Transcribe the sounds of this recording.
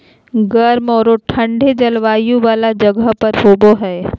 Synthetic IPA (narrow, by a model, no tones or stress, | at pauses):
ɡɐɾmɔːɾoʈʰɐ̃ɳɖʱed͡ʒɐlʋaːjũʋaːlad͡ʒɐɡəɦpɐɾɦoːboɦɛː